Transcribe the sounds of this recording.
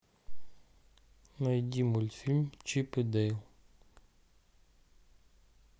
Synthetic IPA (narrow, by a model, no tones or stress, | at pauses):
najd̪ʲimulʲt̪filʲmt͡ʃipɨd̪ɛjl